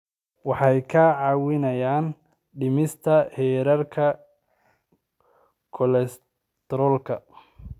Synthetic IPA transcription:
wɑħɑjkʰaːʕɑːwɪnɐjaːn | ɖɪmɪst̪ʰɐhɛːɾɐrkʰɐ | kʰɔlɛs | t̪ʰɾɔːlkʰɐ

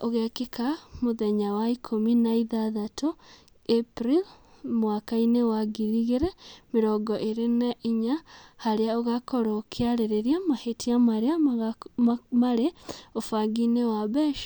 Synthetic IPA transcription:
oɣɛkekamoðɛɲawaikʰominaiðaðato | epɾil | mwakainewaɡiɾiɣeɾɛmeɾɔɡɔʔeɾenaʔiɲahaɾeaoɣakɔɾokʰeaɾeɾeɾiamahetʰiamaɾea | maɾeofaɡinewabɛʃ

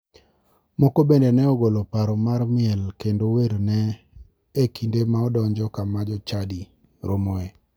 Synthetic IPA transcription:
mɔkobendenɛɔɡolopaɾɔmarmɪɛlkendoweɾnɛ | ekindemaɔdɔɲd͡ʒɔkamad͡ʒɔt͡ʃadi | ɾomɔe

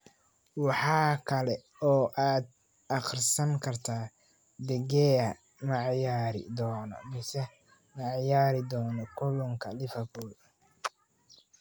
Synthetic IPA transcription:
wɑħɑːkʰɐlɛ | ɔːʔaːd̪̚ | ʔɑqrsɐŋkʰɐrt̪ʰaː | d̪ɛɡɛːɐ | mɐʕɑjaːɾɪ̰d̪ɔːnɔ̰mɪsɛ | mɐʕɑjaːɾɪd̪ɔːnɔkʰʊlɔŋkʰɐlɪfɐbuːl

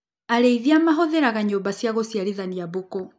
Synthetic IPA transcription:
aɾeiðiamaɦɔðɛɾaɣaɲoːmbasjaɣosjaɾiðaniaβokɔ

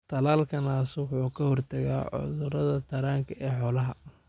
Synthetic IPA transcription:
t̪ʰɐlaːlkʰɐnaːswħuːkʰɐhɔrt̪ʰɐɣa̰ːʕʊ̰ðʊɾɐðɐt̪ʰɐɾaːŋkʰɐʔɛːħɔːlɐɦɐ

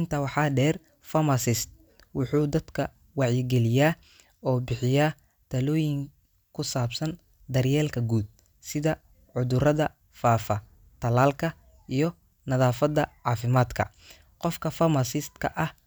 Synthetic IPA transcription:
ɪnt̪ʰɐwɑħɑːɖɛːr | fɐmɐsɪst̪̚ | wʊħuːd̪ɐd̪kʰɐ | wɑʕjɪɡɛlɪjaː | ɔːbɪħɪjaː | t̪ʰɐlɔːjɪŋ | kʰʊsaːbsɐn | d̪ɐrjɛːlkʰɐɡuːd̪̚ | sɪðɐ | ʕʊðʊrɐðɐ | faːfɐ | t̪ʰɐlaːlkʰɐ | ʔijɞ | nɐðaːfɐðɐʕɑːfɪmaːd̪kʰɐ̰ | qɔfkʰɐfɐmɐsɪst̪kʰɐ̰ʔɐh

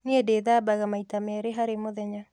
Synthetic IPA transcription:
needeðaːbaɣamaitamɛɾeɦaɾemoðɛɲa

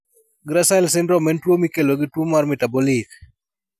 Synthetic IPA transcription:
ɡɾasaɪlsɛndɾɔmɛntwomikeloɡɪtwomarmɪtabɔlik

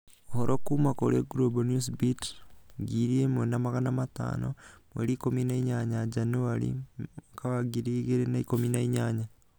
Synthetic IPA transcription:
ohoɾʔokumakoleɡuɾobonusbitɡiɾiemonamaɣanamata̰ːnomwḛɾiːkominaiɲaɲad͡ʒanuaɾḭkaβaɡiɾiɣeɾenaikominaiɲaːɲa

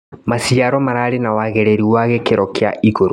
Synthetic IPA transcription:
masiaɾɔmaɾaɾenawaɣɛɾeɾiwaɣɛkeɾɔkea̰ʔiɣoɾo

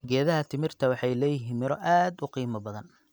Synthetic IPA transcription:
ɡɛːðɐɦɐt̪ʰɪmɪrt̪ʰɐwɑħɑjlɛːjɪɦiːnmɪɾɔʔaːd̪ʊqiːmɐbɐðɐn

